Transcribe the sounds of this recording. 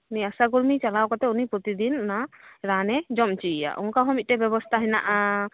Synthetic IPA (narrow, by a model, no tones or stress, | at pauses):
niasaɡulmit͡ʃalawkɔt̪ɛunipɾɔt̪id̪inːaɾanɛd͡ʒɔmt͡ʃija̰ʔɔ̰nkaɦɔ̃mit̪̚ʈɛbɛbɔst̪ʰaɦɛna̰ʔa